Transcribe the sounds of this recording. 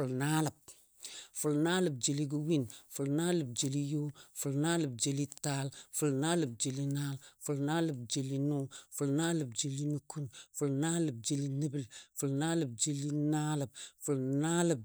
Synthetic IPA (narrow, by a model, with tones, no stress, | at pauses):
fu˨lna˦lə˨b̚ | fu˨lnaː˦lə˨b̚d͡ʒe˨li˦ɡu˦wi˦nfu˨lna˦lə˨b̚d͡ʒe˨li˦jo˦fu˨lnaː˦lə˨b̚d͡ʒe˨li˦ta˦lfu˨lnaː˦lə˨b̚d͡ʒe˨li˦na˦lfu˨lnaː˦lə˨b̚d͡ʒe˨li˦nu˦fu˨lnaː˦lə˨bd͡ʒe˨li˦nu˨˦ku˦nfu˨lna˦lə˨b̚d͡ʒe˨li˦ni˦bi˨lfu˨lnaː˦lə˨b̚d͡ʒe˨li˦na˦lə˨b̚fu˨lna˦lə˨b̚